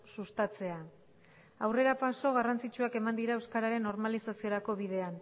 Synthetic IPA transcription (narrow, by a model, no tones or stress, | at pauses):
sust̪at͡se̞a | awre̞ɾapaso̞ɣ̞arant͡sit͡ʃuake̞mand̪iɾaewskaɾaɾe̞nːo̞ɾmalisasio̞ɾako̞βiðe̞an